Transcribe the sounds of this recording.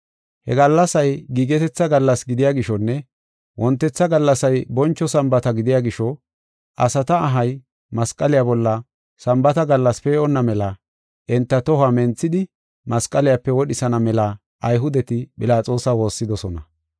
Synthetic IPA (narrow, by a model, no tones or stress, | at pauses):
hɛ̰ɡɐlːɐsɐjɡiːɡɛt̪ɛt͡sːɐɡɐlːɐsɡɪd̪ɪjaːɡɪʃɔnːɛ | wʔɔnt̪ːɛt͡sːɐɡɐlːɐsɐjbɔnt͡ʃːɔsɐmbɐt̪ɐɡɪd̪ɪjaːɡɪʃɔ | ʔɐsɐt̪ɐːɦɐj | mɐskʼːɐlɪjabɔlːɐ | sɐmbɐt̪ɐɡɐlːɐspɛɔnːɐmɛlɐ | ʔɛnt̪ːɐt̪ɔhɐmɛnt͡sːɪd̪ɪ | mɐskʼːɐlɪjapːɛwɔɗɪsɐnɐmɛlɐ | ʔɐjɦʊd̪ɛt̪ɪpʼɪlaːt͡sʼo̞ːsɐwo̞ːsːɪd̪ɔsɔnɐ